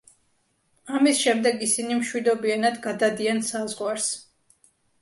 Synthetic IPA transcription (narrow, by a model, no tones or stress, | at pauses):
amisʃɛmd̪ɛɡisinimʃwid̪ɔbianad̪ɡad̪ad̪iansazʁwaɾs